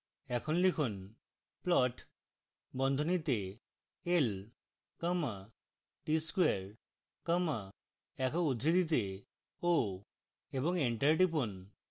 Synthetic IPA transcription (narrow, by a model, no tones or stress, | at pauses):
ɛkʰɔnlikʰun | plɔʈ | bɔnd̪ʱɔnit̪e | el | kəma | ʈiskueɾ | kəma | ɛkʰɔud̪ʱɾid̪it̪̬e | o | ebɔŋeɳʈaɾʈip̬un